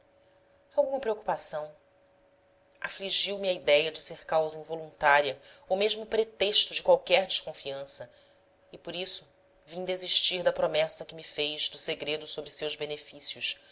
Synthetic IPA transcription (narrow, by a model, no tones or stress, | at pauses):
awɡũmɐpɾeoku̥pasɐ̃w̃ | afliʒiwmiɐid̪ɛjɐd͡ʒɪseɾkawzɐĩvolũnt̪aɾiɐowmeʒmʊpɾet̪eʃt̪ʊd͡ʒɪkwawkɛɦd͡ʒɪʃkõfiɐ̃sɐ | ɪpoɾisʊ | vĩd̪eziʃt͡ʃiɾd̪ɐpɾomɛsɐkɪmifejzd̪ʊseɡɾed̪ʊsobɾɪsewʒbenefisiʊʃ